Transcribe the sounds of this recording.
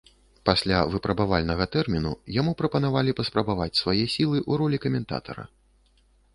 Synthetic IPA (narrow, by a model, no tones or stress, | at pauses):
pasʲlʲavɨpɾɐbavalʲnɐɣɐt̪ɛrmʲinṵjamupɾɐpɐn̪avalʲipɐspɾɐbavat͡sʲsvajɛsʲilˠɨʔuɾɔlʲikɐmʲɛnt̪a̰t̪ɐ̰ɾɐ̰